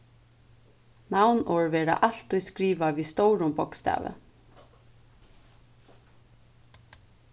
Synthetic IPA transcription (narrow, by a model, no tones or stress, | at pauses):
nawnɔːɹʋɛːɾa̰ʔal̥t̪ʊjskɾiːʋavist̪ɔwɾʊmpɔkst̪æ̰ːʋɪ̰